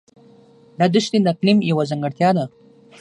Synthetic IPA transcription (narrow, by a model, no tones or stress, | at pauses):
d̪ad̪ʊʃt̪ind̪aklimjawazaŋɡəɽt̪ʲjɑd̪a